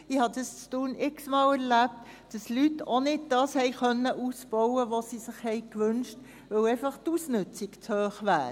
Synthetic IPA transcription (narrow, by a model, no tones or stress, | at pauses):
ɪhɑdɑst͡stuːnɪksmɑːlɛɾlæp̚t | d̥ɑslytʰːonɪdd̥ɑːshɛɪkœnːəʔuːsb̥ɔʊəʋosisɪχhɛɪkʋʏnʃt | vəlæɪfɑχtusnʏt͡sɪkt͡shøːχʋæ̰ː